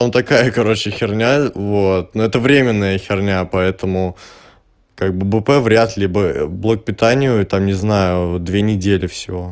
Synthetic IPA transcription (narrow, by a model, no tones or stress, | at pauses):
amt̪ɐkajəkɐɾo̞t͡ɕɪxʲɪrnʲavo̞t̪̚nuɛt̪əvɾʲemʲɪnːəjəxʲɪrnʲapɐɛt̪əmʊ | kaɡ̚bɨbɨpɛvɾʲat̪lʲibəblˠok̚pʲɪt̪anʲɪjʊt̪amnʲɪznajʊd̪vʲenʲɪdʲelʲɪfsʲɪvo̞